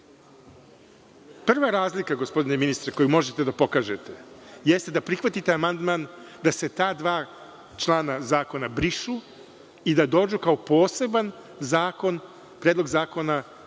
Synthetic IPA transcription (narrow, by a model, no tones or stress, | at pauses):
pr̩ʋaɾaːzlikaɡospo̞d̪ineminist̪ɾeko̞jumo̞ʒet̪e̞d̪apo̞kaːʒe̞t̪e̞jest̪e̞d̪apɾixʋat̪it̪eamand̪maːnd̪ase̞t̪aːd̪ʋaː | t͡ʃlˠaːnazaːko̞nabɾiʃu | id̪ad̪o̞ːd͡ʒukaopo̞ːse̞ban | zaːko̞n | pɾeːd̪lˠo̞ɡzaːko̞na